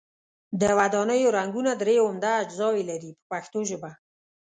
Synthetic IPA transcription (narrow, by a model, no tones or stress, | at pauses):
d̪əwad̪ɑnəjoɾaŋɡunad̪ɾeomd̪aːd͡ʒzɑwelaɾipə̥paxt̪oʒəba